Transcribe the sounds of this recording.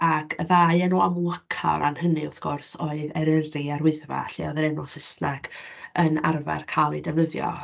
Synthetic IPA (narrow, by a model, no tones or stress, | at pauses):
akʰəðaɨɛnɔamlˠəkʰa̰ɾʔa̰nhənɨʊθɡ̥ɔrsoːɨðɛɾəriaɾwɪðva̰ɬiɔðəɾɛnɔsəsnaɡəna̰rva̰rkʰalˠidɛvnəðjɔ̰